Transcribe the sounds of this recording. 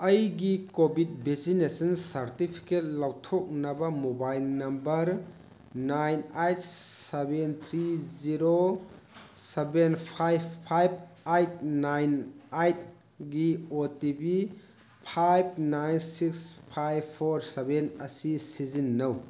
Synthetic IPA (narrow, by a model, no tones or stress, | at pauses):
ɐjɡikobit̚besinesɐnsɐɾtipʰi̥ket̚lawtʰok̚nɐbɐmobajlnɐmbɐɾ | najnajt̚sebent̪ʰɾiziɾo | sebenpʰajbpʰːajb̚ajt̚najnajt̚ | ɡiotibi | pʰajb̚najnsikspʰajbpʰːoɾsebenɐsisizinːɐw